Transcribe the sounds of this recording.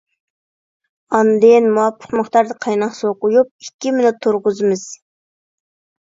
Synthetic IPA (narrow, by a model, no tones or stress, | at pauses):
ɑnd̪ɪnmuwɑpʰːə̥qməχt̪ɑɾd̪ɨqʰɑjnɑqsoqʊjup̚ikʲːimɪnɪt̪ʰːuɾʁʊzɨmɨz̥